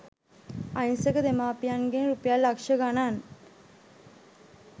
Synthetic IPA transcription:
ajnsəkəd̪emaːpijanɡenɾupəjalːakʂəɡanan

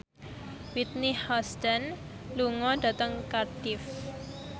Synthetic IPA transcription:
wit̪nihɔst̪ən | luŋɔɖa̤t̪əŋkardɪf

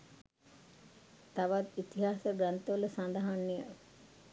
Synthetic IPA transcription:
t̪aʋat̪it̪iɦasəɡɾant̪əʋələsand̪aɦanːijə̰

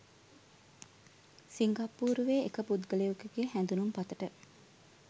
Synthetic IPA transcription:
siŋɡapːuːɾuʋeːekəpud̪ɡəlejukəɡeːhænd̪unumpat̪əʈə

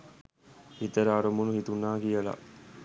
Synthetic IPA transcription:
it̪ɐɾaːɾɐmunuɦit̪unːaːkijɐlɐ̰

